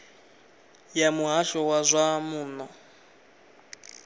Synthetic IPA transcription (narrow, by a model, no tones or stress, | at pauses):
jamuɦaʃɔwazʷamuːnɔ